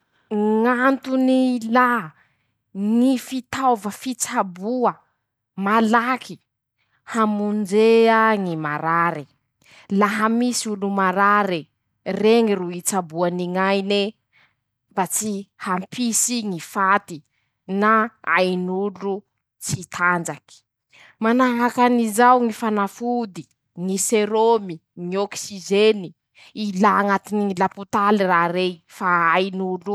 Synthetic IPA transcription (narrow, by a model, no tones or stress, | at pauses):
ŋant̪unila | ŋifit̪avəfit͡sabuə | malaki | hamund͡ʒeaŋimaɾaɾi | laɦamisiulumaɾaɾi | reŋiruit͡sabuaniŋajne | bat͡sihampisiŋifat̪i | naa̰jnulu | t͡sit̪ʰand͡zaki̥ | manaɦakanizawŋifanafud̪i | ŋiseɾomiŋioksizeni | ilaŋat̪iniŋilaput̪alirarejfaajnulu